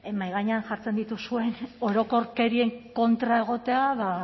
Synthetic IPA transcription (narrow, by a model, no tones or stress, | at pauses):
emajɣaɲeanʝaɾt͡se̞nd̪it̪usue̞no̞ɾo̞ko̞ɾke̞ɾie̞ŋko̞nt̪ɾae̞ɣ̞o̞t̪e̞aβa